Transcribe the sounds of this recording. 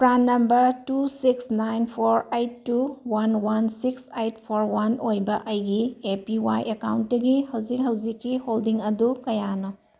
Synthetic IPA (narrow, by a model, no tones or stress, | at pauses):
pɾanːɐmbɐɾtusiksnajnpʰoɾejtːuwanwansiksejt̚pʰoɾwanojbɐʔɐjɡiepiwa̰jʔekawnt̚dɐɡihɐwzikɦɐwd͡ʒikːiholdiŋɐdukɐjano